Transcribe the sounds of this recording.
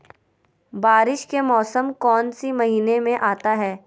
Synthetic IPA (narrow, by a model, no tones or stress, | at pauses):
baːɾɪʃkemɔːsəmkɔːnsimɐɦiːnemẽʔaːt̪aɦɛː